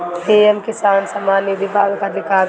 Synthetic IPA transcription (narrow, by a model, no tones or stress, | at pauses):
eːɛmkɪsaːnsɐmaːniʋɪbʱaːɡkad̪ʱɪkaː